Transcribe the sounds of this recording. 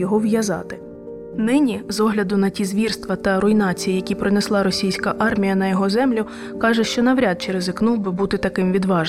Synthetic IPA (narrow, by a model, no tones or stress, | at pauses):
jɔɦɔwjɐzɑ̰t̪ɪ̥ | nɪnʲizɔɦlʲɐd̪ʊnɐtʲizʋʲirst̪ʋɐt̪ɐɾʊinɑt͡sʲijijɐkʲipɾɪnɛslˠɑɾɔsʲijsʲkɐʔɑrmʲijɐnɐjɔɦɔzɛmlʲʊ | kɑʒɛʃt͡ʃɔnɐʋɾʲat̪̚t͡ʃeɾezɪknuwbɪbut̪ɪt̪ɐkɪmʋʲid̪ʋɑʒ